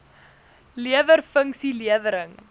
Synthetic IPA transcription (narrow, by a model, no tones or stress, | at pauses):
liəvərfəŋksiliəvəɾəŋ